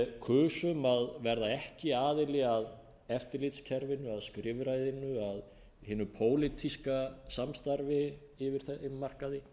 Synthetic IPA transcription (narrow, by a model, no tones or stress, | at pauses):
kʰʏːsʏmaðvɛɾðaɛhcɪaːðɪlɪɣað | ɛft̪ɪɾlɪt̪scʰɛɾvɪnːʏaðskɾɪvɾajðɪnːʏað | hɪːnʏpʰoːwlɪt̪ʰiskasamst̪aɾvɪ | ɪvɪɾ̥θɛɪmːar̥kaðɪ